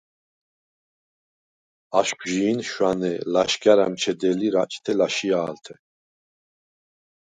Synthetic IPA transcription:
aʃkʰʼʒiːnʃwanɛlaʃɡʼaɾa̰mt͡ʃʰɛd̪ɛliɾat͡ʃʼt̪ʰɛlaʃiaːlt̪ʰɛ

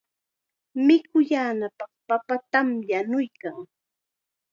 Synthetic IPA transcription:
mɪkʊjaːnapɑχpapat̪amjanʊjkaŋ

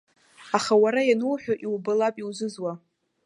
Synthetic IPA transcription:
aχawaɾajanuwħᶣaʔiwbɨlapʼiwzʷɨzwa

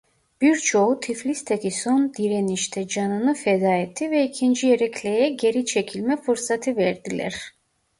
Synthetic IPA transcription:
b̥iɾt͡ʃʰo̞ut̪ʰiflʲist̪ʰekʰisond̪iɾeniʃt̪ʰɛd͡ʒɑnɯnɯfɛd̪aːet̪ʰːivɛicʰind͡ʒijeɾɛcʰlʲejɛɟe̞ɾit͡ʃʰecʰilʲmɛfuɾsat̪ʰɯvɛɾd̪ilʲæ̰ɾ̥

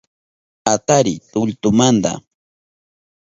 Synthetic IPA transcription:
at̪aɾɪt̪ʊlt̪ʊmand̪a̰

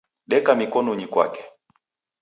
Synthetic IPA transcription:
ɗɛkamikɔnɔɲikwa̰kɛ̥

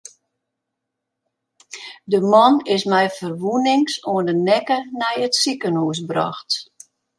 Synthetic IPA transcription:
dəmɔnɪsmɛjfərʋunɪŋsuəndənɛkənɛjətsikənuəs̬brɔ̰xt

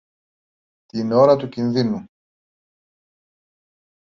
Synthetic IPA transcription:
t̪ino̞ɾɐt̪ucinðinu

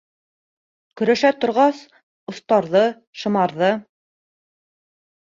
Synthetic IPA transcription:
kɵ̆ɾæʃæt̪ŏɾʁɑs | ŏθt̪ɑɾðɤ | ʃɤ̆mɑɾðɤ

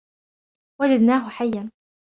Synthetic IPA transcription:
wad͡ʒad̪naːɦʊħajːan

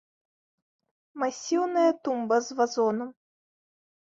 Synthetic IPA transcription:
masʲiwnɐjɐt̪umbɐzvazɔnɐm

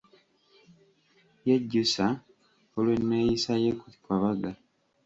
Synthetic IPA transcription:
jeɟːusa | olwe̞nːejisajekukwaβaɡa

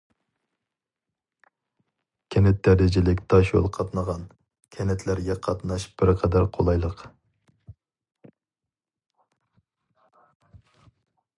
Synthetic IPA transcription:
kʲʰɛnɛt̪̚ːæɾd̪ɪd͡ʒɪlɪkʲt̪ʰɑʃjo̰lˠqʰɑt̪nəʁɑn | kʲʰɛnɛt̪ʰlæɾɡʲɛqʰɑt̪nɑʃb̥ɪɾqʰɛd̪æɾqʰolˠɑjlˠəq

